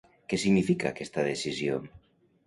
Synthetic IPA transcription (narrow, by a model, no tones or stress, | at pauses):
kesiɣnifika̰kest̪að̞esisjo̰ŋ